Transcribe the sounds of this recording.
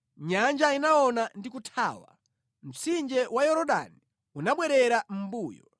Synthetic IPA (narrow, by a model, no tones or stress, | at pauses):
ɲand͡ʒainaɔnandikutʰaːwa̰ | m̩t͡sind͡ʒɛwajɔɾɔɗa̰ni | unaɓwɛɾɛɾam̩buːjɔ